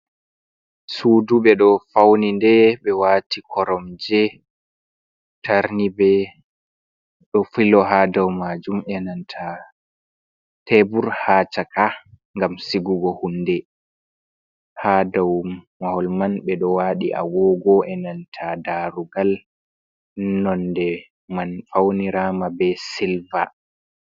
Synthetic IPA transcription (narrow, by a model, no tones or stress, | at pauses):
suːduɓɛɗɔfawnindɛɓɛwaːtikʰɔɾɔmd͡ʒɛ | tʰaɾnibɛ | ɗɔfilɔɦadawmad͡ʒumɛnantʰa | tebuɾhaːt͡ʃaka | ŋɡamsiɡuɡɔhundɛ | hadawmahɔlmanɓɛɗɔwaɗiʔa̰wɔɡɔʔɛnantʰadaɾuɡal | nɔndɛ | manfawniɾaːmabɛsilva̰